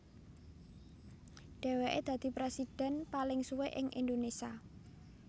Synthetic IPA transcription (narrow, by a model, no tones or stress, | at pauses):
ɖ̥ɛ̤weʔḛd̪̥ä̤d̪̥i̤pɾesid̥ɛ̤npalɪŋsuweʔɪŋʔḭnd̪onesia